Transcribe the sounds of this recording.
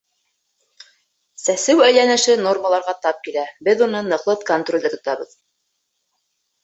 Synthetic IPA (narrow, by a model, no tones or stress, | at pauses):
sæsɘwæjlænɘ̆ʃɘno̞rməlˠɑɾʁɑt̪ɑp̚kilæbɘðunɤnɤ̆qlˠɤt̪̚kont̪rolʲd̪æt̪ŏt̪ɑβɤð